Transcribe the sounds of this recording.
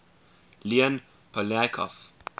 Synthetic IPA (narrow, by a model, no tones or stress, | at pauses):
liə̃n | pʰɔlɛkʰɔ̰f